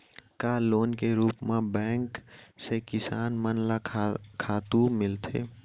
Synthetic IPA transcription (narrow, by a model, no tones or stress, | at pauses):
kaːloːnkeɾuːpmãbɛ̃ːŋksekɪsaːnmənlakʰaːt̪ũmɪlt̪ʰḛː